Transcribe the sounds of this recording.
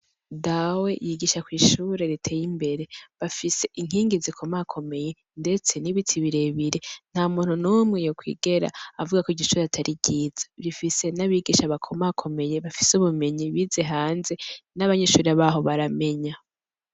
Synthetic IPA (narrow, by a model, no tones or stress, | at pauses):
dawe̞jiɡiːʃakwiːʃuɾe̞ɾitʰe̞ːjimbe̞ɾe̞βafise̞ʔiŋ̥iːŋɡizikʰo̞makʰo̞me̞je̞ | nde̞t͡se̞niβitʰiβiɾe̞βiɾe̞n̥hamuːn̥unumŋejokwḭːɡe̞ɾa̰avuɡakoiɟiʃuːɾeatʰaɾʔiɟiːz̥ḁɾifise̞naβiɡiʃaβakʰo̞makʰo̞me̞je̞βafi̥suβume̞ɲiβize̞ɦaːnze̞naβaɲe̞ːʃuːɾeaβaːɦo̞βaɾame̞ɲa